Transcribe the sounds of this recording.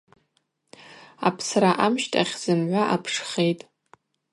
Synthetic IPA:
apʰsraʔamʃtʼʰaχʲz̥ɨmʕʷaʔapʰʂχe̞jtʼ

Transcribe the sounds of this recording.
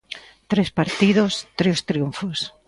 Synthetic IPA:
t̪ɾespaɾt̪iðost̪ɾewst̪ɾiuɱfos

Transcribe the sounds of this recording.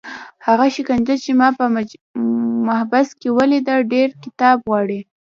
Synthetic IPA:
haɣaʃɪkand͡ʒat͡ʃemɑpəm | mahbaskewəlid̪əlɖeɾkɪt̪ɑbɣwɑɽi

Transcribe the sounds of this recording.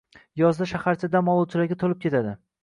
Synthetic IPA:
jɒzd̪aʃahaɾt͡ʃʰad̪amɒlˠut͡ʃʰɪlaɡʲat̪ʰolɪp̚kʲʰe̞t̪ʰad̪ɪ

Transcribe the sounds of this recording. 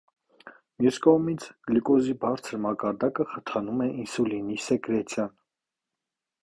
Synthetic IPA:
mjuskɔmit͡sʰlikɔzibɑɾt͡sʰəɾmɑkɑɾd̪ɑkəχət̪ʰɑnumɛʔinsulinisɛkɾɛt̪ʰjɑn

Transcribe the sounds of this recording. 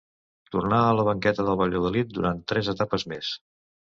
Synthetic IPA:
t̪urnaələβ̞əŋkɛt̪əðəlˠβəʎoðəlit̪̚d̪uɾant̪ːɾɛzət̪apəzmes

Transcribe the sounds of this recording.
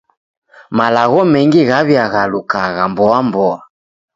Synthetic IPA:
malaɣɔmɛŋɡiɣaβjaɣalukaɣambɔambɔa

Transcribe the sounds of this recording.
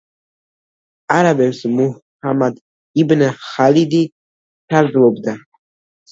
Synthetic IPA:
aɾabɛmsmuhamad̪ | ibnaχalid̪i | t͡ʃʰaɾd̪zlɔbd̪a

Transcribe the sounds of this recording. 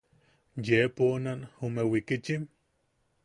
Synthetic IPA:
jeponanomewikit͡ʃim

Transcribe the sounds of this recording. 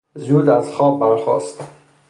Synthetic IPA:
zuːd̪æz̥xɒːb̚ːæɾxɒ̰ːst̪

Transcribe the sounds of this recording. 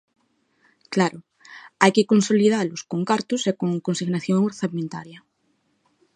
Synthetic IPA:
klaɾʊ | ajkɪkonsolið̞alʊskoŋkaɾt̪ʊsekoŋkonsiɣnaθjoŋoɾθamẽnt̪a̰ɾjɐ

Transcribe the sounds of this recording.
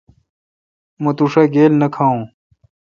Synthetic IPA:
mɐt̪uʂaɡeːlnɐkʰaːũː

